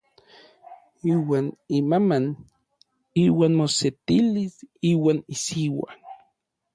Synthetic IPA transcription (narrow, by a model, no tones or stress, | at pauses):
iːwaːnimaman | iːwaːnmoset̪ilisiːwaːnisiwa̰